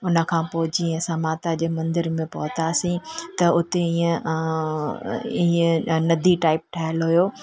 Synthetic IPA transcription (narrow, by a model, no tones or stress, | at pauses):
ʊnə̆kʰãːpoːɪd͡ʑiːẽsamaːt̪ad͡ʑeːmɐ̃nd̪ɪɾmẽpɐɦʊt̪asĩt̪ɐʊt̪eĩːẽ | iːẽnɐd̪ʱiʈaːɪp̚ʈʰaːɦəlɦʊjoː